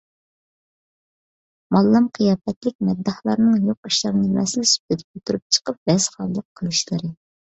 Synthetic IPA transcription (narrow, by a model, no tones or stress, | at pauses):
mɑlˠːɑmqʰijɑːpɛt̪lɪk̚ʲmɛd̪ːɑhlˠɑɾnɨŋjoqi̥ʃlˠɑmnemɛ̰sɪnɪsy̥p̚ɪd̪ʰɪ̥p̚ot̪ʰuɾup̚t͡ʃʰə̥qəp̚bɛz̥χɑlˠːəqʰːəlˠuʃlˠɨɾɨ